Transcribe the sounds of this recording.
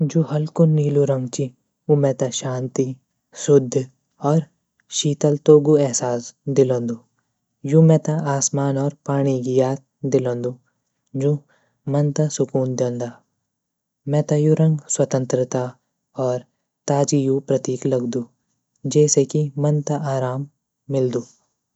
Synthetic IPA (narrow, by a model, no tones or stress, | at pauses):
d͡ʒoɦɐlkʊniːluɾɐ̃ŋɡt͡ʃi | umɛ̃ːt̪aʃaːnt̪i | sʊd̪ʱː | ɔːɾ | ʃiːt̪əlt̪oːɡuɛɦsaːsd̪ɪlõːnd̪uː | jũːmɛ̃ːt̪aaːsmaːnɔːɾpaːɽ̃iɡijaːt̪̚d̪ɪlõːnd̪u | d͡ʒõː | mɐnt̪asʊkuːnd̪ɐ̃nd̪aː | mɛ̃ːt̪ajʊɾə̃ŋɡswɐt̪ə̃nt̪ɾɪt̪a | ɔːɾ | t̪aːd͡ʒijupɾɐt̪iːklɐɡd̪uː | d͡ʒɛːsekimɐnt̪aʔaːɾaːmː | ɪld̪uː